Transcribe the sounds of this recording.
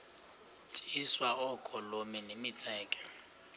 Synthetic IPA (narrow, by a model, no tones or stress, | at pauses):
tʼiswaɔkʼɔlomɛnemɪt͡sʼɛːkʼɛ̥